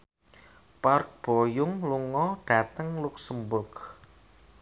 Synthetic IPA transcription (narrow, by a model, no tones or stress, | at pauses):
park̚b̥ojʊŋluŋɔɖ̥a̤t̪əŋlʊksəmbʊrk